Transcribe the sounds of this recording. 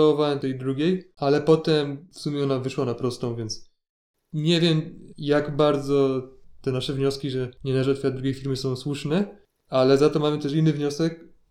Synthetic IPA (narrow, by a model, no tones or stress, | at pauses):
wɔvawɛmt̪ɛjd̪ɾuɡʲejalɛpɔt̪ɛmfsumʲjɛɔnavɘʂwanapɾɔst̪ɔ̃w̃vʲjɛnt̪s | ɲɛvʲjɛmjaɡbaɾd̪zɔt̪ɛnaʂɛvɲɔskʲiʐɛɲɛlalɛʐɔt̪fʲad̪d̪ɾuɡʲejfʲiɾmɘsɔ̃w̃swuʂnɛ | alɛzat̪ɔmamɘt̪ɛʂ̬inːɘvɲɔsɛk̚